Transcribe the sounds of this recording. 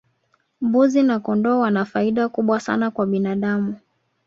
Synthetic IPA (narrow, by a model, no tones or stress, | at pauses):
mbuzinakɔndɔwanafaiɗakuɓwasa̰nakwaɓinaɗamu